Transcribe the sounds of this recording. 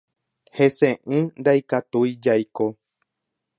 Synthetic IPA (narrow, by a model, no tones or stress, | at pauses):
he̞sẽʔɨ̃nd̪ajkat̪ujd͡ʒajko